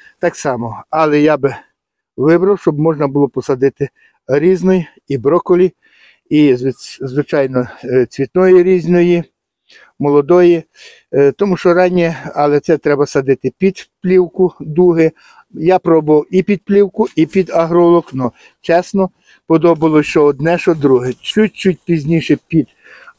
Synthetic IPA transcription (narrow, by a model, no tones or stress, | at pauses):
t̪ɑksɑmɔɐlˠɛjabɪ | ʋɪbɾɐwʃt͡ʃɔbmɔʒnɐbʊlˠɔpɔsɐd̪ɪt̪ɪ | ɾʲiznɔj | ibɾɔkɔlʲi | izʋɪt͡ʃɑjnɔt͡sʲʋʲit̪nɔjiɾʲizʲnɔji | mɔlˠɔd̪ɔji | t̪ɔmuʃt͡ʃɔɾɑnʲɛɐlˠɛt̪sɛt̪ɾɛbɐsɐd̪ɪt̪ɪpʲid̪plʲiwkʊd̪uɦɪ | japɾɔbʊʋɐwipʲid̪̚plʲiwkʊipʲid̪ɐɦɾɔlˠɔknɔ | t͡ʃɛsnɔ | pɔd̪ɔbɐlˠɔst͡ʃɔɔd̪nɛʃɔd̪ɾuɦɛt͡ʃut̚ʲt͡ʃut̚ʲpʲizʲnʲiʃɛpʲid̪̥